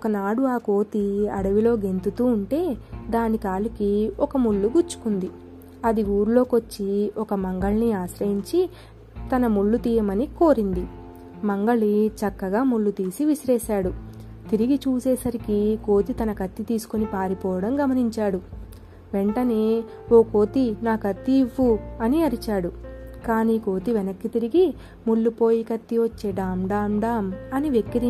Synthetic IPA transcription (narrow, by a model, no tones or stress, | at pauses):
ɔkɐnaːɽuaːko̞ːt̪iɐ̰ɽɐʋilo̞ːɡe̞nt̪ut̪uːɳʈe̞ːd̪aːnikaːlukiɔkɐmuɭːuɡuɾt͡ʃːu̥kund̪i | ɐd̪iuːɾulo̞ːko̞t͡ʃːiɔkɐmɐŋɡɐɭniaːʃɾɐjiɲt͡ʃi | t̪ɐnɐmuɭːut̪iːjɐmɐniko̞ːɾind̪i | mɐŋɡɐɭit͡ʃɐkːɐɡaːmuɭːut̪iːsiʋiʃɾɛːʃaːɽu | t̪iɾiɡit͡ʃuːsɛːsɐɾikiko̞ːt̪it̪ɐnɐkɐt̪ːit̪iːsu̥konipaːɾipɔːʋɐɽɐmɡɐmɐniɲt͡ʃaːɽu | ʋe̞ɳʈɐne̞ː | o̞ːko̞ːt̪inaːkɐt̪ːiʋːuɐniɐɾit͡ʃaːɽukaːniːko̞ːt̪iʋɛnɐkːit̪iɾiɡi | muɭːupo̞ːjikɐt̪ːiʋot͡ʃːeɖaːmɖaːmɖaːmɐniʋekːiɾi